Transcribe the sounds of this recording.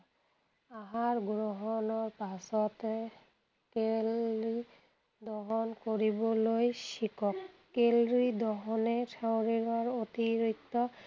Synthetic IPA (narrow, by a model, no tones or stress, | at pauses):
aɦaɹɡɹoɦɔnɔɹpasɔt̪e | keli | d̪ɔɦɔnkoɹibɔlojʃikʰɔk | kelid̪ɔɦɔnetʰawɹiɾɔɹot̪iɾikt̪ɔ